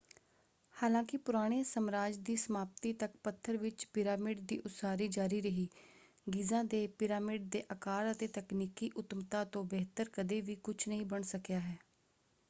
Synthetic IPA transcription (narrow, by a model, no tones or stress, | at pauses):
haːlãːkɪpʊɾaːɽ̃eːsəmɾaːd͡ʒd̪iːsəmaːp̚t̪iːt̪ək̚pət̪ʰːəɾʋɪt͡ʃpɪɾaːmɪɖd̪ḭːʔʊtsaːɾiːd͡ʒaːɾiːɾəɦiː | ɡɪzãːd̪eːpɪɾaːmɪɖ̚d̪eːʔəkaːɾət̪eːt̪əkniːkiːʔʊt̪mt̪ãːt̪õːbeːt̪əɾkəd̪eːʋiːkʊt͡ʃʰnəɦĩːbəɳsəkjaːɦɛː